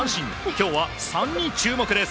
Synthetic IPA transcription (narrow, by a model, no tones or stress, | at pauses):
ɰ̃ɕĩŋ | kʲo̞ːβasãɲ̟ːĩɲt͡ɕɨːmo̞kɯ̟d̪e̞s